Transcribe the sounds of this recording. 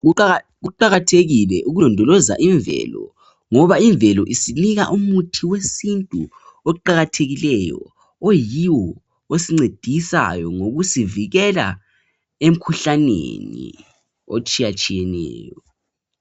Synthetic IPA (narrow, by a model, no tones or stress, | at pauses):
ɣuǃaɣatʰeɣilɛʔuɣulɔndʱɔlɔza̰ʔiɱvɛ̰lɔ | ŋɔβaiɱvɛlɔʔisiniɣa̰ʔumutʰiwesintʼu | ouǃaɣatʰeɣilɛjɔ̰ | ojiwɔ | osiŋ͡ǀed̥ʱisa̰jɔŋoɣusiviɣɛla̰ | em̩kʰuɬanḛnḭ | o̰t͡ʃʼijat͡ʃʼijɛnɛ̰ːjɔ